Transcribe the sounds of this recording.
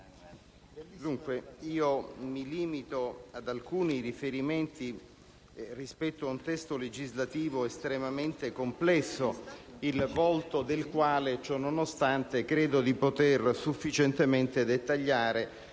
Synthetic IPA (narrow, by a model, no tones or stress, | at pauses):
d̪uŋkweiːomiliːmit̪oad̪alkuːnirifeɾiment̪i | rispɛt̪ːoaunt̪ɛst̪oled͡ʒizlat̪iːvoest̪ɾemament̪ekomplɛsːoilvɔlt̪od̪elkwaːlet͡ʃɔnonost̪ant̪ekɾeːd̪od̪ipot̪ersufːit͡ʃent̪ement̪ed̪et̪ːaʎːaːɾe